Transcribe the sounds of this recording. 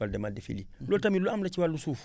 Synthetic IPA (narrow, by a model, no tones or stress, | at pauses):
aldɛmadefḭlilotamiloamlat͡ʃiwalːusuːf